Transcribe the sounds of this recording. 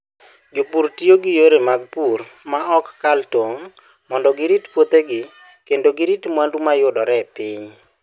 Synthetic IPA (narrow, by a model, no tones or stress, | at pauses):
d͡ʒopuɾtioɡɪjoɾemaɡ̚purmaɔkːaltoŋ | mɔndɔɡɪɾitpwot̪eɡɪ | kendoɡɪɾitmwandumajʊdɔɾɛpɪɲ